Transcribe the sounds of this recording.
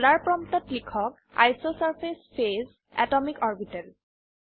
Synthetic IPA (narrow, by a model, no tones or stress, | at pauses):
laɹpɹɔmtɔtlikʰɔk̚ | a̰jsosaɹpʰespʰez | ɛ̰tɔmikɔɹbitɛl